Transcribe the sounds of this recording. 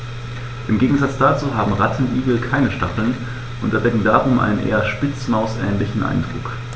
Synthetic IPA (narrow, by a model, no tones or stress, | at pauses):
ʔɪmɡeːɡŋ̩zat͡sd̥aːt͡suːɦaːbm̩ʁatʰn̩ʔiːɡl̩kʰaɪnəʃtaχl̩n | ʔʊntɛɐdɛɡŋ̩daːʁʊmʔa̰ɪnənʔḛːɐʃpɪt͡smaʊsʔɛ̰ːnlɪçn̩ʔa̰ɪndʁuːk